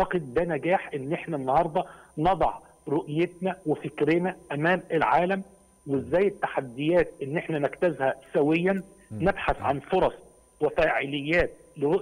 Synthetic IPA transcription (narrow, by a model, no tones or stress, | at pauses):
t̪ɑqed̪̚d̪ænæɡæːħʔenːʔeħnænːɑhɑɾˤd̪ˤɑnɑd̪ˤɑ̰ʕ | ɾoʔjet̪̚næwefɪkɾeːnæʔæmæːmelʕaːlæm | wezːæːjːɪt̪ːaħad̪ːɪjæːt̪̚ʔenːʔeħnænækt̪æzhæsæwɪjːænː | ebħaθʕanfoɾˤɑsˤ | wefæːʕɪlɪjːæːt̪̚lɪɾoʔ